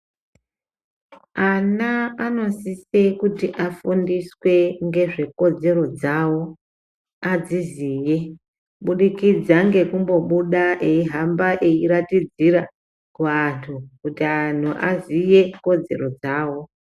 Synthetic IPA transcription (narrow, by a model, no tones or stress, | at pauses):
anaano̞sise̞kutiʔafundiswe̞ŋɡe̞ʐe̞ko̞d͡ze̞ɾo̞d͡zawo̞ | ad͡ziziːje̞ | ɓuɗikid͡zaŋɡe̞kumbo̞ɓuɗaʔeiɦambaʔeiɾatid͡ziɾa | kuantʰukutian̤uʔa̰zije̞ko̞d͡ze̞̰ɾo̞d͡zaːwo̞